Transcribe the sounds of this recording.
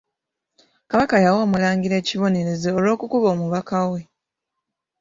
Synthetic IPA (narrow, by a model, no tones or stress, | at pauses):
kaβakajawo̞ːmulaːŋɟiɾe̞ːciβo̞ne̞ɾe̞zeolwo̞ːkukuβo̞ːmuβakawe̞